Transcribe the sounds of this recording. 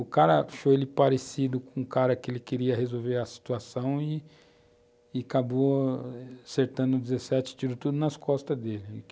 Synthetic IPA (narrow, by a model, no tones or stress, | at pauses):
ʊkaɾɐfojelɪpaɾesid̪ʊkõũkaɾɐkɪelɪkɪɾiɐhezowveɾɐsi̥t̪uasɐ̃w̃ɪ | akabo | aseɾt̪ɐ̃nd̪ʊd͡ʒɪzesɛt͡ʃɪ̥t͡ʃid̪ʊt̪ud̪ʊnɐskɔst̪ɐzd̪elɪ̃